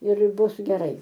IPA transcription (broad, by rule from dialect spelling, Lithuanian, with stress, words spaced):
ɪr ˈbʊs ɡʲɛˈrɐɪ